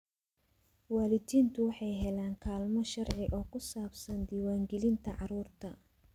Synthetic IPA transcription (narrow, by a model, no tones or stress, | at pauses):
waːlɪd̪iːnt̪ʰʊwɑħɑjɦɛlaːŋkʰaːlmɔʃɐrʕɪʔɔːkʰʊsaːbsɐnd̪iːwaːŋɡɛlɪnt̪ʰɐʕɑɾuːrt̪ʰɐ